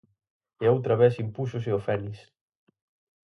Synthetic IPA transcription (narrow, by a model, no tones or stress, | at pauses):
eaowt̪ɾɐβɛsimpusʊs̬ɪofɛnis